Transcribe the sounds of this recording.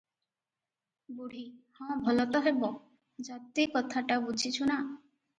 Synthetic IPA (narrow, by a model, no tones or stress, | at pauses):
buɽ̤ihɔ̃bʱɔlɔt̪ɔɦebo | d͡ʒat̪ːikɔt̪ʰaʈabud͡ʑʱit͡ɕʰuna